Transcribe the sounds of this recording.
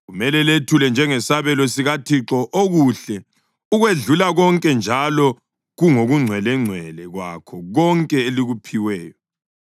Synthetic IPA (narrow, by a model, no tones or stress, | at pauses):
ɣumɛlɛletʰulɛnd͡ʒʱɛŋɛsaβɛlɔsiɣatʰiǁɔʔoɣuɬɛ | uɣweɮulaɣɔŋkʼɛnd͡ʒʱalɔ | ɣuŋoɣuŋ͡ǀʱwɛlɛŋ͡ǀʱwɛlɛɣwa̰kʰɔɣɔŋkʼɛeliɣupʰiwɛːjɔ